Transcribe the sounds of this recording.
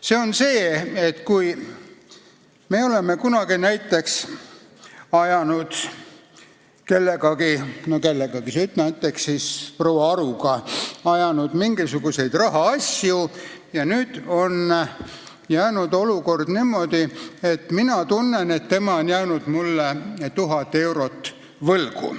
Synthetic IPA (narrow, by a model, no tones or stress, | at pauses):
se̞o̞nse̞ːet̪ːkuj | me̞ːo̞le̞mekunɑɡinæjt̪ːˑe̞ks | ɑjɑnud̪̥ | ke̞lːe̞ɡɑɡinoke̞lːeɡ̥ɑɡ̥isyt̪næjt̪ːˑe̞ksːispro̞wɑɑɾuɡ̥ɑɑjɑnud̪̥miŋɡisuɡ̥use̞jd̪̥rɑɦɑɑsʲjujɑnyːd̪̥o̞n | jæːnud̪o̞luko̞rd̪̥niːmːo̞d̪̥iet̪minɑt̪unːenet̪ːe̞mɑonjæːnud̪̥mulːet̪uɦɑt̪ːe̞wɾo̞t̪ːˑ | vɤlɡ̥ṵ